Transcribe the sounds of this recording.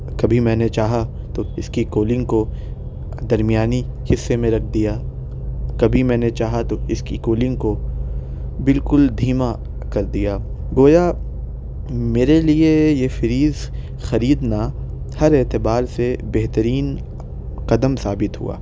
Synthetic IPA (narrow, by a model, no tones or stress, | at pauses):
kɐbʱimɛ̃ːnet͡ʃaːɦa | t̪oɪskikoːlɪ̃ŋɡko | d̪ɐɾmijaːni | hɪsːemẽɾɐkʰd̪ijaː | kɐbʱimɛ̃ːnet͡ʃaːɦat̪oɪskḭkoːlɪ̃ŋɡko | bɪlkʊld̪ʱiːma | kɐɾd̪ijaː | ɡoːja | meːɾeliejefɪɾiːz | xɐɾiːd̪na | hɐɾɛːt̪ɪbaːɾsebɛɦt̪əɾiːn | qɐd̪əmsaːbɪt̪ɦṵa̰ː